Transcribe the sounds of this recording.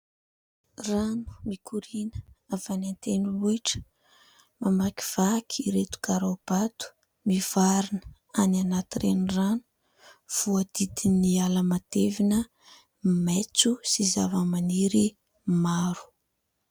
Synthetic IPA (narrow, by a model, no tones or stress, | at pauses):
ranu̥mikʰuɾinə̥av̥anant̪enuluiʈ͡ʂə̥ | mamaki̥v̥akʰiiɾet̪u̥kaɾab̥at̪u̥ | miv̥aɾinə | ananat̪irenranu̥ | v̥uəd̪̥id̪inialəmad̪̥evinə | met͡susizavəmaniɾi | maɾu̥